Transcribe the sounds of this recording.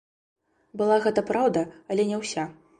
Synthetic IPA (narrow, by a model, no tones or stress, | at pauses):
bɨlˠaɣɛt̪ɐpɾawd̪ɐɐlʲɛnʲɛwsʲa